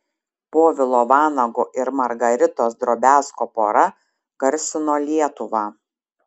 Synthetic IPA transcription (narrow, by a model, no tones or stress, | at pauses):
poːʋʲɪlˠoːʋɑːnɐɡoːʔɪɾmɐɾɡɐɾʲɪt̪oːsd̪ɾoːbʲæːskoːpoːɾɐ | kɐɾʲsʲɪnoːlʲiɛt̪ʊʋɑː